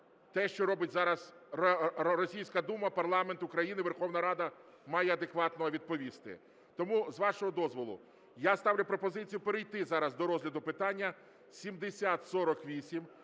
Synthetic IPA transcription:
t̪ɛʃt͡ʃɔɾɔbɪtʲzɑɾɐz | ɾɔsʲijsʲkɐd̪umɐpɐrlˠɑment̪ʊkɾɐjinɪʋe̞rxɔwnɐɾɑd̪ɐ | mɑjɛɐd̪ekʋɑt̪nɔɔʋʲid̪̚pɔʋʲist̪ɪ̰ | t̪ɔmuzʋɑʃɔɦɔd̪ɔzʋɔlˠʊ̰ | jast̪ɑʋlʲʊpɾɔpɔzɪt͡sʲijʊpeɾejt̪ɪzɑɾɐzd̪ɔɾɔzʲlʲɐd̪ʊpɪt̪ɑnʲːɐ | sʲimd̪esʲat̪sɔɾɔkʋʲisʲim

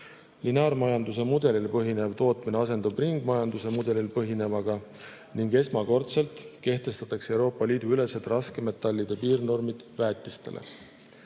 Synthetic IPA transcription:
linɑːrmɑjɑnd̪us̬e̞mud̪̥e̞lilpɤɦine̞vt̪o̞ːt̪mine̞ɑs̬e̞nd̪̥ub̥riŋɡ̥mɑjɑnd̪use̞mud̪̥e̞lilpɤɦine̞vɑɡ̥ɑ | niŋɡe̞smɑko̞rt̪se̞lt̪ˑke̞ht̪e̞st̪ɑt̪ːˑɑkse̞wɾo̞ːpːˑɑliːd̪̥uyle̞set̪ˑrɑske̞me̞t̪ːɑlʲːid̪̥e̞piːrno̞rmid̪̥væːt̪ːˑist̪e̞̰lʔḛ

